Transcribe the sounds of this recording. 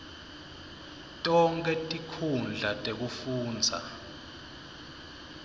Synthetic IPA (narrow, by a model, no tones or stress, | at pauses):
tʼɔŋkʰʼɛtʼikʰund͡ɮʱatʼek̬ufuːnd͡zʱa̰